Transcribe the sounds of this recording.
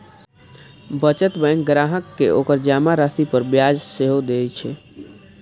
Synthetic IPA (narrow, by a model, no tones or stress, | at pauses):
bət͡ʃət̪bə̃jŋɡɡɾaɦəkːeʔokəɾd͡ʒamaɾasipəɾbjad͡ʒseɦod̪et͡ʃʰɛ